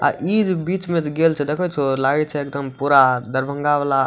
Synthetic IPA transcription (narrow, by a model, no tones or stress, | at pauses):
a̰ʔid͡ʒbiːt͡ʃmẽt̪ɡelt͡ʃʰɛd̪ekʰɔt͡ʃʰolaɡɛt͡ʃʰɛek̚d̪əmpuɾad̪əɾbʱə̃ŋɡaʋala